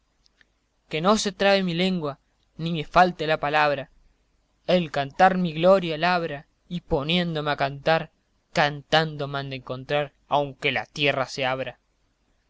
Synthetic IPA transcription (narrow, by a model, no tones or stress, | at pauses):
ke̞no̞se̞t̪ɾaemile̞ŋɡwa | nimefalt̪elapalaβɾa | elkant̪aɾmiɣlo̞ɾjalaβɾa | ipo̞nje̞nd̪o̞meakant̪aɾ | kant̪and̪o̞mãnd̪eŋko̞nt̪ɾaɾ | awŋkela̰t̪jeraseaβɾa